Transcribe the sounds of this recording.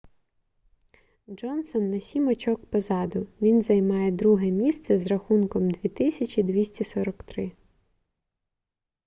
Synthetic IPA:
d͡ʒɔnsɔnːɐsʲimɔt͡ʃɔkpɔzɑd̪ʊʋʲinzɐjmɑjɛd̪ɾuɦɛmʲist̪sɛzrɐxunkɔmd̪ʋʲit̪ɪsʲɐt͡ʃʲid̪ʋʲisʲtʲisɔɾɔkt̪ɾɪ

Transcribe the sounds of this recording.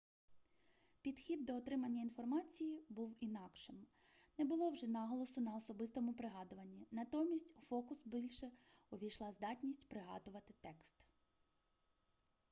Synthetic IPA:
pʲid̪xʲid̪ːɔːt̪ɾɪmɐnʲːɐinfɔrmɑt͡sʲijibuwinɑkʃɪm | nɛbʊlˠɔwʒɛnɑɦɔlˠɔsʊnɐɔsɔbɪst̪ɔmʊpɾɪɦɑd̪ʊʋɐnʲːinɐt̪ɔmʲːisʲtʲʊfɔkʊsbʲilʲʃɛɔʋʲijʃlˠɑzd̪ɑtʲnʲisʲtʲpɾɪɦɑ̰d̪ʊʋɐt̪ɪt̪ɛkst̪

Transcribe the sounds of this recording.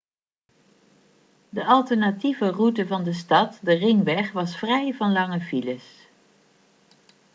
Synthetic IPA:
dəʔɑlˠtəɹnativərutəvɑndəstɑtdərɪŋʋɛχʋɑsfrɛjvɑnlɑŋəviləs

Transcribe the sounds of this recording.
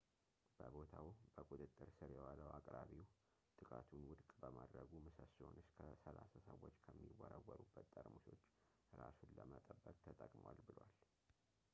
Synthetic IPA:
b̥əbo̞t̪ʰawb̥əkʼut̪ʼɨt̪ʼːɨɾsɨɾjɛwaləwakʼɾaβiw | t̪ʼɨkʼat̪ʰunwʊd̪kʼbəmad̪ɾəɡumɨsəsonɨskʰəsəlasasəwːo̞t͡ʃːkʰəmːiwːəɾəwːəɾubːət̪ːʼəɾmuso̞t͡ʃː | ɾasunləmət̪ʼəbːəkʼt̪ʰət̪ʼəkʼmwalbɨlwal

